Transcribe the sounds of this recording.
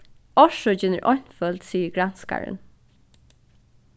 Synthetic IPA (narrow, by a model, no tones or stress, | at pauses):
ɔʂɔd͡ʒɪnə̰ɾʔɔɲ̥fœld̪siːəɹɡɹanska̰ɹə̰n